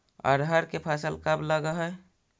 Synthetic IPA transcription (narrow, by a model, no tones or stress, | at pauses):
ə̰ɾʱɦəɾkepʰasəlkəbləɡəɦɛ